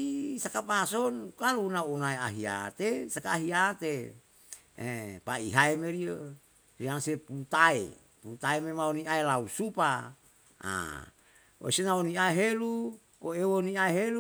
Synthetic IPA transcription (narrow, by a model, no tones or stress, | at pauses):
isakapasonkalunaonaeaɦia̰t̪esakaːɦiat̪e | epaiɦaemeɾio | ɾiaŋseput̪aḛ | put̪aememaoniaelausupa | a̰ | o̰senaoniaeɦelu | koewoniaeɦelu